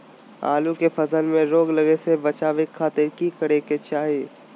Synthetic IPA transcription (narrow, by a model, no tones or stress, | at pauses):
a̰ːlukefʰɐzənmẽɾoːɡləɡesebɐt͡ʃaːʋekʰːaːt̪eɾkikəɽeket͡ʃaːɦie